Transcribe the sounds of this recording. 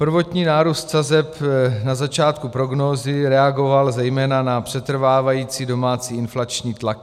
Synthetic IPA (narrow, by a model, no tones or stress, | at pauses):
pr̩vo̞t̪ɲiːnaːɾuːst̪sazɛpnazat͡ʃaːt̪kupɾo̞ɡnoːzɪɾɛaɡo̞valzɛjmɛːnanapr̥ɛt̪r̩vaːvajiːt͡siːdo̞maːt͡siːɪnflat͡ʃɲiːt̪lak̚